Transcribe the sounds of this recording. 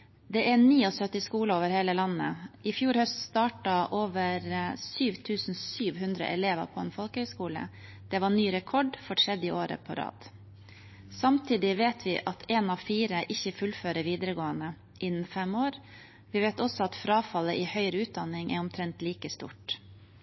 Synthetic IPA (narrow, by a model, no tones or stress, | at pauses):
d̪ɛʔɛniːɔsœt̪ːɪskuːləoːʋəɾheːləlɑnːə̰ʔɪfjuːɾhœst̪st̪ɑːʈɑʔoːʋəɾsyːʋt̪ʰʉːsn̩syːʋɦʉnd̪ɾə̰ʔɛleːʋə̰ɾpʰɔɛnfɔlkəhœʏskuːlə̰ | d̪̥ɛʋɑɳyːɾɛkʰɔɖfɔʈʰɾɛd̪ɪʔoːɾə̰pʰɔ̰ɾɑ̰ːd̪̥ | sɑmt̪ʰiːd̪ɪʋeːt̪ʰʋɪʔɑt̪ʰeːnɑʋfiːɾəʔɪçːəfʉlføːɾəʋiːd̪ɾəɡoːənə | ʔɪnːn̩fɛmːoːɾ | ʋɪʋeːt̪ɔsɔɑt̪fɾɑːfɑlːəʔɪhœʏɾʉːt̪̚d̪ɑnɪŋʔɛ̰ɾɔmt̪ʰɾɛnt̪liːkəst̪ṵːʈ